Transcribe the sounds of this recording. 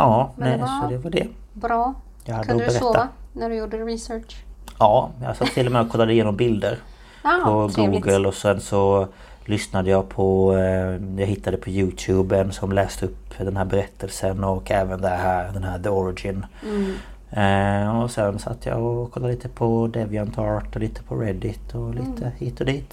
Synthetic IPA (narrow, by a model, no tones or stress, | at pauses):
ʔɑːnɛsɔd̪ɛvaɖɛ | bɾɑː | jɑhad̪ːəɔbɛɾɛt̪ːanæɖjuɖɾɪsœʈɑːjɑ̰sat̪ʰːɪlːɔmɛɔkʰɔlːad̪əɪjeːnɔmbɪld̪əɾ | pʰɔɡuːɡəlɔsɛnsɔ | lʏsnad̪əjɑpʰɔ | jɑɦɪt̪ʰːad̪əpʰɔjʉːt̪ʰjʉːbənsɔmlɛːst̪əɵpːd̪ɛnhæːɾbɛɾɛt̪ʰːəlsənɔkːɛːvənd̪ɛhæːɾd̪ɛnɦæːɾðəɔɾɪd͡ʒɪn | ɔsɛnsa̰t̪ːjɑ̰ɔkʰɔlːaliːt̪əpʰɔd̪ɛvɪant̪ʰɑːɾʈɔliːt̪ə̥pʰɔɾɛd̪ɪt̪ʰɔliːt̪ʰəhiːt̪ʰːɔd̪iːt̪